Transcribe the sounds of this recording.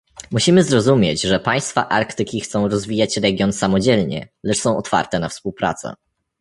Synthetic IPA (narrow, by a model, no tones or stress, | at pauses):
muɕimɘzɾɔzumʲjet͡ɕʐɛpaj̃st̪fa̰ʔaɾkt̪ɘkʲixt̪sɔ̃w̃ɾɔzvʲijat͡ɕɾɛɡʲjɔnsamɔd͡ʑɛlɲɛ̰lɛt͡ʂsɔ̃w̃ɔt̪fa̰ɾt̪ɛnafspuwpɾa̰t̪sɛ̰